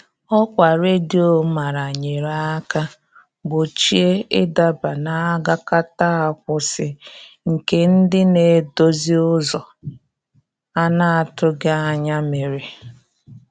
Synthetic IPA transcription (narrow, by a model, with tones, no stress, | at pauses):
ɔ˦kʷa˨ɾe˦di˦o˨ma˨ɾa˨ɲe˨ɾa˦a˦ka˦ | bʊ˨t͡ʃi˦e˦ɪ˦da˦ba˨na˨a˦ɡa˦ka˦ta˦a˨kʷʊ˨sɪ˨ | ŋ̩˨ke˨n̩˦dɪ˦ne˨˦do˦zi˦ʊ˦zɔ˨ | a˦na˦a˨tʊ˦ɡa˦a˦ɲa˦me˨ɾi˨